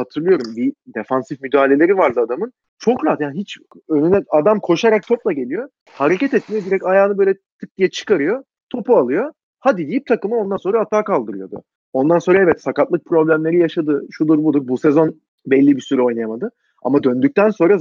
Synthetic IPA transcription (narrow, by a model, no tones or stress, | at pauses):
hat̪ʰɯɾlˠɯjo̞ɾumbid̪efansifmyd̪aːlʲe̞lʲe̞ɾivaɾd̪ɯad̪amɯn | t͡ʃʰo̞kɾaɦat̪janɦit͡ʃ | ønynɛad̪amkʰo̞ʃaɾak̚t̪ʰoplˠaɟe̞lʲijo̞ | haɾe̞cɛt̪ɛt̪̚mijod̪iɾɛcajaːnɯbøjlʲɛt̪ʰɯk̚t̪ijɛt͡ʃʰɯ̥kaɾɯjo̞ | t̪ʰo̞pualˠɯjo̞ | had̪id̪ijip̚t̪ʰakɯmɯo̞nd̪anso̞nɾaːt̪ʰːaːkalˠd̪ɯɾɯjo̞d̪ʊ̰ | o̞nd̪anso̞nɾaɛvɛt̪sakat̪lˠɯk̚pʰɾo̞blʲæmlʲe̞ɾijaʃad̪ɯʃud̪uɾbud̪uɾbusɛzo̞n | bɛlʲːibisyɾɛo̞jnajamad̪ɯ | a̰mad̪ø̞nd̪yc̚ʲt̪ænso̞nɾa